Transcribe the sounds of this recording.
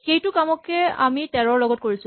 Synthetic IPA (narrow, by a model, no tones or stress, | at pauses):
xejtʊkamɔkɛa̰mitɛɹɔɹlɔɡɔt̚koɹisʊ